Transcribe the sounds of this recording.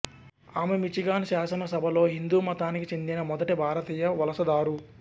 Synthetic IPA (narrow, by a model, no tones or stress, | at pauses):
aːmemit͡ʃiɡaːnʃaːsɐnɐsɐbʱɐlo̞ːɦind̪uːmɐt̪aːnikit͡ʃind̪inɐmɔd̪ɐʈibʱaːɾɐt̪iːjɐʋɐlɐsɐd̪aːɾu